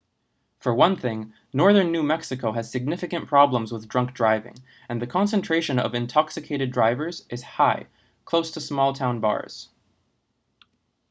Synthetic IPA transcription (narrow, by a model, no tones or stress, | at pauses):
fə˞wʌ̃nθɪ̃ŋ | nɔɹðə̃˞nːʉmɛksɨkʰoʊɨz̥sɨɡ̚nɪfɨkɨ̃npʰɹ̥ɑblə̃mzwəðdɹʌ̃ŋk̚dɹaɪvɪ̰̃ŋ | ɨ̃nðɨkʰɑ̃nsɨ̃ntʰɹ̥eɪʃɨ̃nʌ̰vɨ̃ntʰɑksɨkʰeɪɾɨdɹaɪvə˞zʔɨz̥haɪ | kʰl̥oʊstʰəsmɔlˠtʰãʊ̃nbɑ̰ɹz̥